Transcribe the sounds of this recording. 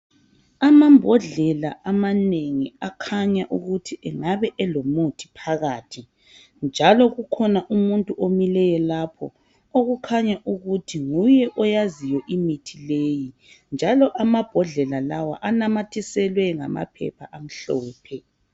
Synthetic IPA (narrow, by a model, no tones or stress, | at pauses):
amambʱɔɮɛlaamaneŋiakʰaɲaʔuɣutʰiʔɛŋaβɛʔɛlomutʰi̥pʰaɣaːtʰi | nd͡ʒʱalɔɣukʰɔnaʔumuntʼuʔomilɛjɛlapʰɔ̰ | oɣukʰaɲaʔuɣutʰiŋujɛʔɔjazijɔʔimitʰileːji | nd͡ʒʱalɔʔamab̥ʱɔɮɛlalawa̰ʔanamatʰisɛlwɛŋa̰ma̰pʰɛ̰pʰa̰ʔam̩ɬɔːpʰɛ